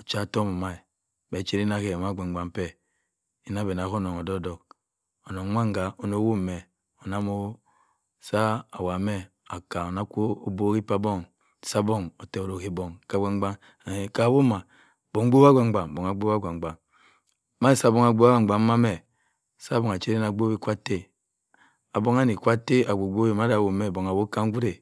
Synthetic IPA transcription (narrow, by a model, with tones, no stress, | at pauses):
o˨t͡ʃa˦˨to˦mo˨ma˦i˨ | be˨˦t͡ʃe˦ɾi˦na˦ke˦˨ma˦˨ɡ͡ba˨ŋ˦ɡ͡ba˨m˦pe˦ | i˦na˦be˨na˨ko˦no˨ŋo˨do˦do˨k̚ | o˨no˨ŋ˦mʷa˦ŋ˦ɡa˨o˨no˦wu˦˨me˨ | o˨na˦mo˦ | sa˦a̰˨wa˨me˦ | a˨ka˨o˨na˦ko˦o˨bo˦ki˦pa˦bo˦ŋ | sa˦bo˦ŋo˨te˨o˨ɾo˨ki˨bo˨ŋka˨˦ɡʷa˦ŋ˦ɡ͡ba˦ŋ | a˨e˨ka˨bo˦ma˨ | bo˨ŋ˦o˦wa˦ɡʷa˨ŋ͡mɡ͡ba˨ŋ˨bo˨ŋa˨ɡ͡bo˦a˦ɡʷa˨ŋ˨ɡ͡ba˨ŋ | ma˦i˦˨sa˦bo˦ŋa˨ɡ͡bo˦a˦ɡʷa˨ŋ˨a˨m˦ma˦me˨ | sa˦bɔ˨ŋa˨t͡ʃe˦ɾe˦na˨ɡ͡bo˦wi˦kʷa˦te˦ | a˨bo˦ŋa˦ni˨kʷa˦te˦a˨ɡo˨ɡ͡bo˦wi˦ma˨˦da˨wo˨me˨bo˨ŋa˨wo˦ka˦ŋ˦ɡʷu˦ɾe˨